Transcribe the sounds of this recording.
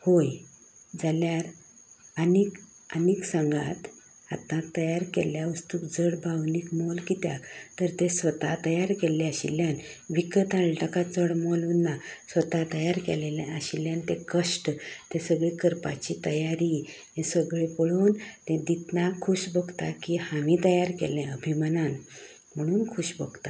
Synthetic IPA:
hoj | d͡zaljaɾ | ənik | əniksãŋɡat̪ | a̰t̪ãt̪ːəjaɾkḛljaʋəst̪ukd͡zəɽbʱawnikmolkit̪ja̰t̪əɾt̪esʋət̪at̪əjaɾkelːeaɕḭljan | ʋikət̪aɭʈəkat͡səɽmɔlunːasʋət̪at̪əjaɾkḛlelẽəɕiljant̪ekəɕʈt̪esəɡɭikəɾpa̰t͡ɕit̪əjaɾi | ẽsəɡɭepəɭuːnt̪ẽd̪it̪nakʰːuɕbʱəɡt̪akihaʋĩt̪əjaɾkḛlɛ̃əbʱimanan | m̤əɽ̃uːnkʰuɕbəɡt̪a

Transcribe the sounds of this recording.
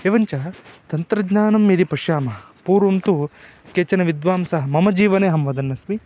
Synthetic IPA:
eːʋɐɲt͡ʃɐt̪ɐnt̪ɾɐd͡ʒɲaːnɐmjid̪ipɐʃjaːmɐɐ | puːɾʋɐmt̪u | keːt͡ʃɐnɐʋid̪ʋaːmsɐɦɐ̆mɐmɐd͡ʒiːʋɐneːɦɐmʋɐd̪ɐnːɐsmi

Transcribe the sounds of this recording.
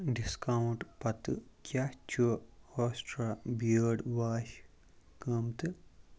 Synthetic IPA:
ɖiskɐwɳʈpɐt̪ɨkʲjaːht͡ʃuoːsʈɾaːbiɖʋaːʃ | kɐmt̪ɨ

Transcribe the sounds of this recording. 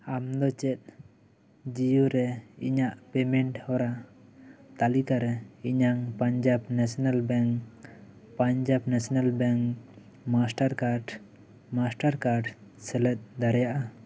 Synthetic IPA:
amd̪ɔt͡ʃɛt̪̚ˀ | d͡ʒijuɾɛḭɲaʔpɛmɛɳʈhɔɾa | t̪alikaɾɛiɲaŋpaɲd͡ʒabnɛsɔnalbɛŋk | paɲd͡ʒabnɛsɔnalbɛŋk | masʈaɾkaɾɖ | masʈaɾkaɾɖsɛlɛt̪̚ˀd̪aɾɛjaʔa

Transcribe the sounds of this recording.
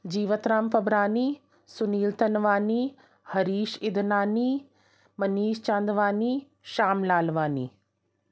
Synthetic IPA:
d͡ʑiːʋət̪ɾaːmpɐbɾaːniː | sʊniːlt̪ɐnʋaːni | hɐɾiːʃɪd̪ʱnaːniː | mɐniːʃt͡ʃãːnd̪ʋaːniː | ʃaːmlaːlʋaːnḭː

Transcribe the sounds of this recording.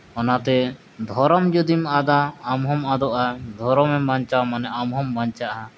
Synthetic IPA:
ɔnat̪ɛ | d̪ʱɔɾɔmd͡ʒud̪imad̪aːmɦɔmad̪ɔʔad̪ʱɔɾɔmɛbaɲt͡ʃawmanɛʔamɦɔmbaɲt͡ʃaʔa

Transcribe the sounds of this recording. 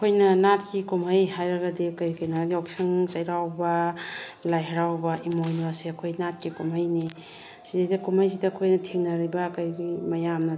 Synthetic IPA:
kʰojnɐnatkikumɦajhajɾɐɡɐdikɐjkɐjnaɡɡiɔksaŋt͡ʃajɾawbɐ | lajɦaɾawbaʔimojnaseɐkʰojnat̚kikumajni | sizajdɐkumajs̬idɐɐkʰojnɐtʰeŋnɐɾibɐkɐjɡimɐjamnɐ

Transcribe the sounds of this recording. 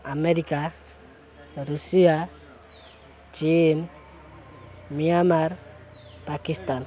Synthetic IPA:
ameɾika | ɾusia | t͡ʃin | miamar | pakist̪an

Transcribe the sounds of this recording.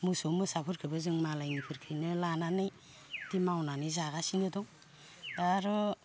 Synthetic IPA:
musɔmɯsapʰɯɾkʰɯbɯzɯŋmalajŋipʰɯɾkʰɯjnɯlananɯj | d̥imawnanɯjzaɡasinɯdɔŋ | aɾɔ

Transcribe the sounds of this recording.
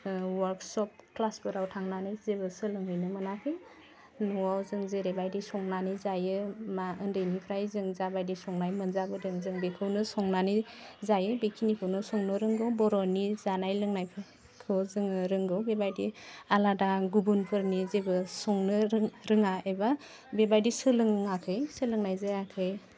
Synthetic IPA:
waɾksɔp̚klasbɯɾawtʰaŋnanɯjzebɯsɯlɯŋɯjnɯmanapʰɯ | nɔwawzɯŋzeɾebajdisɔŋnanizajɯmaɯndɯjnipʰɾajzɯŋzabajdisɔŋnajmɯnzabɯdɯŋzɯŋbekʰɯwnɯsɔŋnanizajɯbekʰinikʰɯwnɯsɔŋnɔɾɯŋɡɔwbɔɾɔnizanajlɯŋnajpʰɯ | kʰɯwzɯŋɾɯŋɡɯwbebajdialadaɡubunpʰɯɾnizebɯsɔŋnɯɾɯŋaeba | bebajdisɯlɯŋakʰɯjsɯlɯŋnajzajakʰɯj

